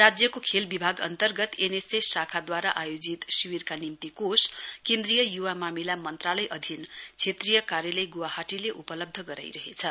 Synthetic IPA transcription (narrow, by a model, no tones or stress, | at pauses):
rad͡zjʌkokʰelbibʱaɡʌ̰nt̪ʌrɡʌt̪enesesakʰad̪waɾaʔajod͡zit̪siwirkanimt̪ikoskend̪rijʌjuwamamilamʌnt̪ralʌjʔʌd̪ʱint͡sʰet̪rijʌkaɾjʌlʌjɡuwahaʈileʔupʌlʌb̚d̪ʱʌɡʌɾa̰jɾʌɦet͡sʰʌ